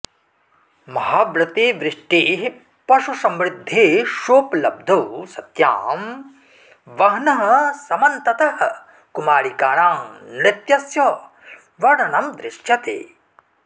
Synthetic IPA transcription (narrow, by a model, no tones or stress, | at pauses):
mɐɦaːbɾɐt̪eːʋɾɪʂʈiːɦ | pɐʃusɐmɾɪd̪ʱːeːʃoːplɐb̚d̪ʱoːsɐt̪ja̰ːm | ʋɐɦnɐɦɐ̆sɐmɐnt̪ɐt̪ɐɦɐ | kumaːɭikaːɳaːmnɪt̪jɐsjɐ | ʋɐɳɐnɐmd̪ɾɪʂjɐt̪ḛː